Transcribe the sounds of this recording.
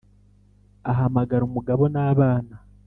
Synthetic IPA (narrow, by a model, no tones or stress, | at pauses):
aɦamaɡaɾumuɡaβo̞naːβaːna